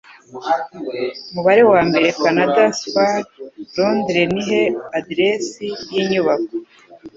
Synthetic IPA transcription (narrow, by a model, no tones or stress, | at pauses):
umuβaɾe̞waːmbe̞ɾe̞kanadaspaɾɾondɾe̞niɦe̞adiɾesijiɲuβako